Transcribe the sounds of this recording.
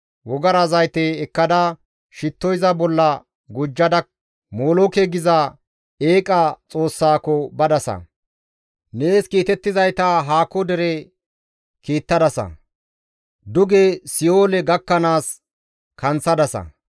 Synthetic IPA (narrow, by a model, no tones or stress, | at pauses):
wɔɡɐɾɐzɐjt̪eːkːɐd̪ɐ | ʃɪt̪ːɔjzɐbɔlːɐ | ɡʊd͡ʒːɐd̪ɐ | moːlokɛɡɪzɐ | eːkʼɐt͡sʼo̞ːsːaːkɔbɐd̪ɐsɐ̰ | neːskiːt̪ɛt̪ːɪzɐjt̪ɐɦaːkɔd̪ɛɾɛ | kiːt̪ːɐd̪ɐsɐ̰ | d̪ʊɡesɪoːlɛɡɐkːɐnaːs | kʰɐnt͡sːɐd̪ɐsɐ̰